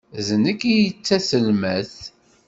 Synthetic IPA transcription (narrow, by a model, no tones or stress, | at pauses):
zənəkːijət͡sːæsəlməθ